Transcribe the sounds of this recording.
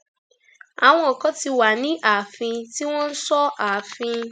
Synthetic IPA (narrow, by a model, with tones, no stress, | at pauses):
a˨w̃ɔ̃˧ɔ˨kɔ˨˦ti˧wa˨nĩ˨˦ʔa˨fĩ˧ti˦w̃ɔ̃˦n̩˦sɔ˦aː˨fĩ˧